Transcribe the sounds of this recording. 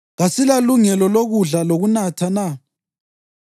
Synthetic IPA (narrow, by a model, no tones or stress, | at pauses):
ɣasilaluŋɛlɔloɣuɮaloɣunatʰana